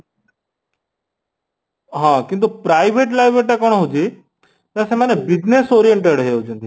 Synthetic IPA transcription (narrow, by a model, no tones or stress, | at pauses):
ɦãkint̪upɾajʋeʈlajʋʱeʈ̬ekɔɽ̃ɦud͡ʒi | neəsemanebid͡ʑnesoɾijeɳʈeɽɦeud͡ʒũnd̪i